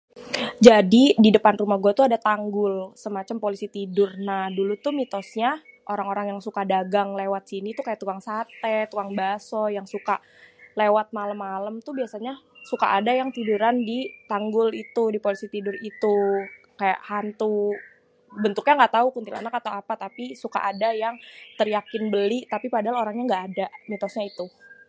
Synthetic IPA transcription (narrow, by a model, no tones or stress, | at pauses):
d͡ʒadididəpanrumahɡuat̪uadat̪aŋɡʊlsəmat͡ʃampolisit̪idʊrnahdulut̪umit̪ɔsɲa | ʔoɾaŋoɾaŋjaŋsukadaɡaŋlewat̪̚sinit̪ukajaʔt̪uaŋsat̪ɛt̪uaŋbasɔjaŋsuka | lewat̪̚maləmːaləmt̪ubiasaɲasuka̰ʔadajaŋt̪iduɾandit̪aŋɡʊlit̪udipolisit̪idʊrit̪u | kaja̰ʔhant̪u | bənt̪ʊkɲaŋɡaʔt̪aukunt̪ila̰nakat̪awapat̪apisuka̰ʔadajaŋt̪ərjakɪnbəlit̪apipadaɦaloɾaŋɲaŋɡaʔːdanit̪ɔsɲait̪u